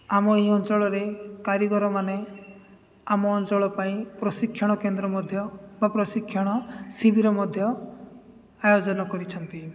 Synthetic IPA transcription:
amɔeɦiɔnt͡ʃɔɭɔɾekaɾjɔɡɔɾɔmane | amɔːnt͡ʃɔɭɔpaĩpɾɔsikʰːjɔɽ̃ɔkend̪ɾɔmɔd̪ʱjɔbapɾɔsikʰːjɔɽ̃ɔsibiɾɔmɔd̪ʱjɔ | ajod͡ʒɔnɔkɔɾit͡ʃʰɔnt̪i

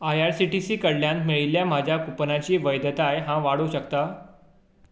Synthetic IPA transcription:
ajaɾsiʈisiːkəɽljãnt̪meɭiljam̤ad͡ʑʱjakupnat͡ɕiːʋəjd̪ət̪ajɦãʋaɽuɕəkt̪a

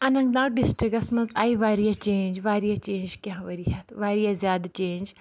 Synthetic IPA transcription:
ɐnɐ̃ŋɡd̪aːɖɪsʈɾikɐsmɐnza̰ːiʋaːɾijat͡ʃeːnd͡ʒʋaːɾijat͡ʃẽːɲd͡ʒkʲãɦʋɐɾiɦɐt̪ʋaːɾijazjaːd̪t͡ʃeːnʲd͡ʒ

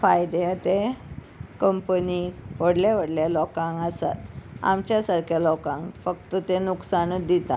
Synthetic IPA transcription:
fajd̪et̪e | kəmpəniʋəɽljaʋ̤əɽljalɔkãŋkasa̰t̪a̰mt͡ɕjasaɾkʰjalɔkãŋkfəkt̪ət̪enuksanəd̪it̪a̰

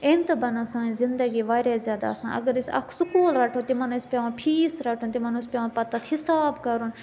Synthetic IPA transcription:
ẽnt̪ɨbɐnosãːĩzɪnd̪əɡiːʋaːɾezjaːd̪a̰sã̰ːʔɐ̰ɡəɾisɐ̰kʰsʊkuːlɾaːʈʰot̪imɐnuispʲaːʋãːpʰiːsɾaːʈʰuːnt̪imɐnuspʲjaːʋãpɐt̪ːɐt̪hisaːbkɐɾun

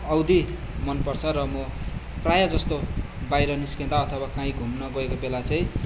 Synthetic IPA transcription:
ʌwd̪i | mʌnpʌrt͡sʰʌɾʌmʌprajad͡zʌst̪o | bajɾʌniskẽd̪aʌt̪ʰʌwakãĩɡʱumnʌɡʌekobelat͡saĩ

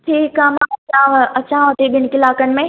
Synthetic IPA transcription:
ʈʰiːkãmãɐt͡ɕãːɐt͡ɕãːʋɐt̪iɓɪnkɪlaːkənɪ̆mẽ

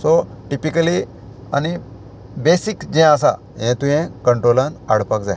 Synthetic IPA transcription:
soʈipikəli | a̰ni | besikd͡ʑɛ̃as̬a̰ | ɦɛ̃t̪ũɦẽkəɳʈɾolana̰ɽ̤pakd͡zaj

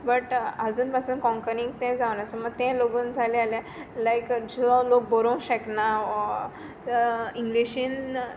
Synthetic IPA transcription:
bəʈad͡zuːnpasuːnkɔ̃ŋkəɾiŋɡt̪ɛ̃d͡zaʋnasɔməɡ̚t̪ɛ̃loɡuːnd͡zʱalealjã | lajkd͡zɔlok̚bɔɾõw̃ɕəkna | iŋɡliɕiːn

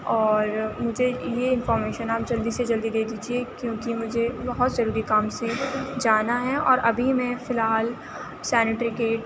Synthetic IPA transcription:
ɔːɾmʊd͡ʒʱejeɪ̃nfɔːɾmeːʃənaːp̚d͡ʒɐld̪ised͡ʒɐld̪id̪eːd̪iːd͡ʒiekjõːkimʊd͡ʒʱebɐɦʊt̪zɐɾuːɾikaːmsed͡ʒaːnaɦɛɔ̰ːɾɐbʱimɛ̃fɪlɦaːl | sɛːnɪʈɾɪikeːʈ

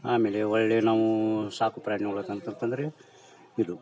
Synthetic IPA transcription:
aːmeːɭeɐɭːenaːʋusaːkupɾaːnioɭot̪ɐnt̪ɐnt̪ɐnd̪ɐɾe | id̪u

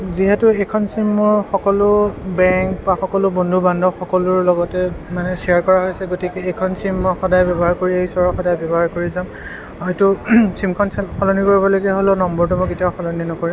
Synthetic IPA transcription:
ziɦɛtʊekʰɔnsimːʊɹxɔkɔlʊbɛŋkbaxɔkɔlʊbondʱubandʱɔxɔkɔlʊɹlɔɡɔtɛmanɛsiaɹkɔɹaɦojsɛɡotikɛːkʰɔnsimːɔjxɔdajbɛbɔɦaɹkoɹieisɔɹɔxɔdajbɛbɔɦaɹkoɹizam | ɦɔjtʊsimkʰɔnsxɔlɔnikoɹibɔlɔjɡɛɦolonɔmbɔɹt̬umɔketiaʊxɔlɔninɔkoɹim

